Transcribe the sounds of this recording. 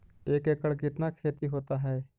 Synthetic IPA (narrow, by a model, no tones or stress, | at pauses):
eːkekəɭkɪt̪nakʰeːt̪iɦoːt̪aɦɛː